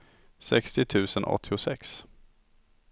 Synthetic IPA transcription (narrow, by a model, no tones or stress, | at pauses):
sɛkst̪ɪt̪ʰʉ̟ːsənʔɔ̰t̪ʰːɪʊsɛks